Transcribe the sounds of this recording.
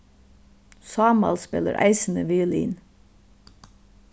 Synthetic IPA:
sɑːmɑ̰lspɛlə̰ɾʔæ̰ɪsn̩əʋeːlḭːn

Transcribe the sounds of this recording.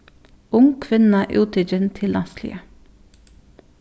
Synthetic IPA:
ʊŋkʰʋɪnɑʔuːt̪ɪd͡ʒənt̪ʰɪlʔɑslḭːə

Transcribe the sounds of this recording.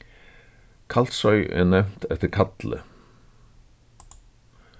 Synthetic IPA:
kʰal̥t̪sœɥʔɛ̰nɛm̥t̪ɛft̪ɪɾkʰat̪lɪ̰

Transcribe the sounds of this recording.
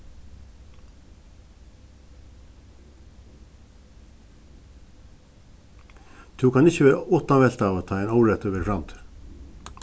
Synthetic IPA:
t̪ʰʉːkʰɑnɪçəʋæːɾɔt̪ɑʋɛlt̪ɑːʋoːt̪ʰɑːeɪnɑʊɾɛt̪øːʋəɾfɾɑmt̪ʰ

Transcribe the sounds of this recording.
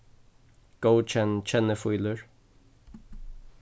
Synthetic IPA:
ɡ̥oʊt͡ʃɛnt͡ʃʰɛnəfuɪləɹ

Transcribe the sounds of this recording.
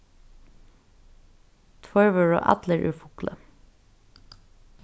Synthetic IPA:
t̪ʰwœɹʋəɹo̰ːʔɑ̰d̪ləɹʔʉ̰ːfʊklʔə̰

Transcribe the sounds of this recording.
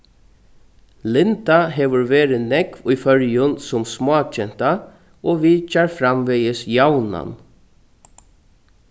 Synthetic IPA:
lɪnd̪aɦeːʋəɾʋeːɾɪnɛkʋiːfœɾjənsʊmsmɑːt͡ʃɛnt̪a | oːʋiːt͡ʃɑɾfɾamʋɛjəsjawna̰n

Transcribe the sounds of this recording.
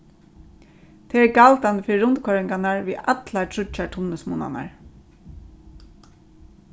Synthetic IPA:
t̪ʰɛːɛɹɡalt̪and̪əfɪːɾɪɾʊnt̪kʰɔɹɪŋkanaɹviat̪latʰɾʊt͡ʃatʰʊnəsmṵːna̰na̰ɹ

